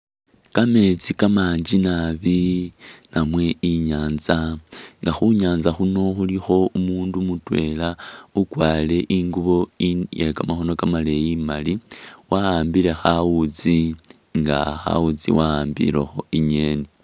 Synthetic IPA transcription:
kame̞t͡sikamaːɲd͡ʒinaβi | namwe̞iɲaːnzaŋɡaxuɲaːnzaxuno̞xulixo̞umuːndumutwe̞laukwaːle̞ʔiŋɡuβo̞ijekamaxo̞no̞kamalejimaliwaaːmbile̞xawut͡si | ŋɡa̰xa̰wut͡sḭwaaːmbḭlḛxo̞iɲe̞ːni

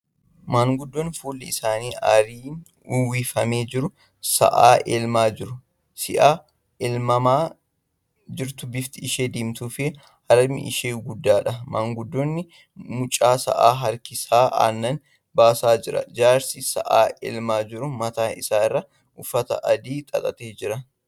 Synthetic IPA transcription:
maːŋɡʊd̪ːɔnfuːlːɪɪsaːniːʔɐ̰ɾiː | ʊwiːfɐmeːd͡ʒɪɾʊ | sɐ̰ʔa̰ːʔeːlmaːd͡ʒɪɾʊ | sɪ̰ʔaː | ɛlmɐmaː | d͡ʒɪɾt̪ʊbɪft̪ɪɪʃeːd̪iːmt̪uːfɪ | ɐɾɐmɪ̰ʔɪ̰ʃeːɡʊd̪ːaːᶑɐmɐŋɡʊd̪ːɔnːɪ | mʊt͡ʃʼːaːsɐ̰ʔaːɦɐɾkɪsaːʔa̰ːnːɐn | baːsaːd͡ʒɪɾɐ̰d͡ʒaːɾsisɐ̰ʔaːḛːlmaːd͡ʒɪɾʊmɐt̪aːɪsaːɪrːɐ | ʔʊfːɐt̪ɐ̰ʔɐd̪iːt̪ʼɐ̰k̪ʼɐt̪eːd͡ʒɪɾɐ

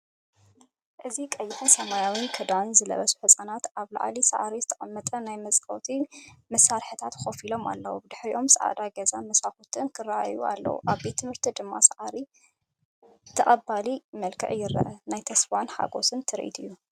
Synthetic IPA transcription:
ʔɨzikʼɐjːɪħunsɐmajawinkʰɨd̪anzɨlɐ̰βɐsu̥ħɨsʼanat̪aβla̰ʕlisa̰ʕɾizɨt̪ʰɐʔamːɐt̪ʼɐnajmɐsʼkʼɐ̰wt̪ʰimɐsːaɾħɨt̪ʰat̪xofilo̞ma̰lːɐwubɨd̪ɨħɾiʔo̞msɐʔa̰d̪aɡɐzanmɐsaxut̪ʰɨnkʰɨraʔa̰juʔa̰lːɐ̰wṵʔaβbe̞t̪ʰːɨmhɨɾt̪ʰid̪ɨmːa̰saʕaɾi | t̪ʰɐʔʼɐbalimɐlkʰɐ̰ʕjɪɾɐ̰ʔɐnajt̪ʰɐsfanħa̰ɡo̞̰sɨnt̪ʰɨɾʔḭt̪ʰɨ̰jːu

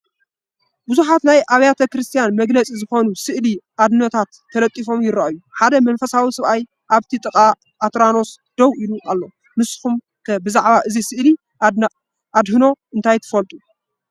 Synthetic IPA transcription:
buzuħat̪najʔaβjat̪ʰɐkɾɨst̪ʰjanmɐɡlɐt͡sʼizɨxo̞nusɨʔliʔad̪ɨnɐt̪ʰat̪ʰːɐlɐt̪ʼːifo̞mjɪɾɐʔjuħad̪ɐmɐnfɐsawisɐβʔaj | ʔaβt̪ʰit̪ʼɨkʼa | ʔːt̪ɾano̞s | d̪̥ɐwʔiluʔʼalːo̞ | mɨsɨ̥xum | kʰɐbɨzaʕβaʔɨzisɨʔli | ʔad̪hɨno̞ʔɨnt̪ʰajt̪ʰɐ̥fɐlt̪ʼu

